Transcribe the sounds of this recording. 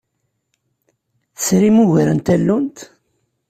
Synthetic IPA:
θəsɾimuʝɾənt̪ælːunt̪

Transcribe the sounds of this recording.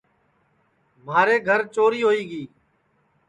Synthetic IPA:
maːɾeːɡʱəɾt͡ʃoːɾiːɦoːiːɡiː

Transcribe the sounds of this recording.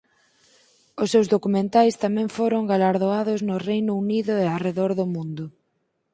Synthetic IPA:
ʊsːewzðokumẽnt̪ajst̪amɛ̃ŋfoɾʊŋɡalaɾðoaðʊznʊrejnʊuniðʊeareðɔɾðʊmũnd̪ʊ

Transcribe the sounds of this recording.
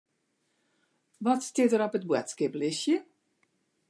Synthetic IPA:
ʋɔtstɪtəɾɔpət̚bwɛ̰tskɪplɪsjə

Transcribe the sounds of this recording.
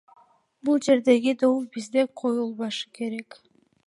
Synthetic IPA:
bulˠd͡ʒe̞ɾd̪e̞ɡid̪owubizd̪eqʰo̞julˠβɑʃɯ̥ke̞ɾe̞k

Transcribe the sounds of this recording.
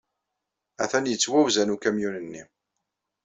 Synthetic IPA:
æθænjət͡sːwæwzænukæmjunənːi

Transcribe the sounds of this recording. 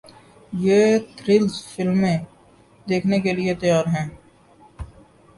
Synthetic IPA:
jeːt̪ʰɾɪlzfɪlmẽ | d̪eːkʰnekeliet̪əjaːɾɦɛ̃ː

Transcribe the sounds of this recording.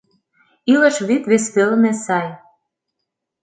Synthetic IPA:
ilə̆ʃβit̪βespelnesɑj

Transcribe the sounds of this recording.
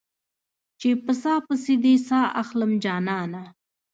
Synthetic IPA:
t͡ʃepəsɑːpəsid̪isɑːʔaxləmd͡ʒɑːnɑːna

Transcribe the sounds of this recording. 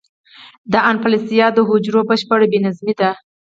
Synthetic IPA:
d̪əanpalisijɑd̪əɦʊd͡ʒɾobəʃpəɽbenazmid̪a

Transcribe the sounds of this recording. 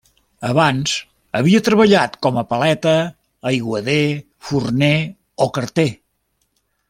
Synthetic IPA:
əβanz̥ | əβiət̪ɾəβəʎat̪kɔməpəlɛt̪əː | jɣwəðe | furnɛ | okəɾt̪e

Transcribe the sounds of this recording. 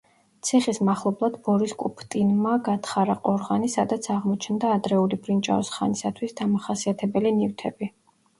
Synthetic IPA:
t̪sʰiχismaχlˠɔblˠad̪bɔɾiskʼupʰt̪ʼinmaɡat̪ʰχaɾaqʼɔɾʁanisad̪at̪sʰaʁmɔt͡ʃʰnd̪aːd̪ɾɛulibɾint͡ʃʼa̰ɔsχanisat̪ʰwisd̪amaχasiat̪ʰɛbɛlinift̪ʰɛbi

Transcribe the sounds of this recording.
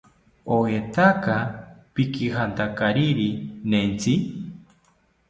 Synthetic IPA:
oet̪akapikihant̪akaɾiɾinent͡si

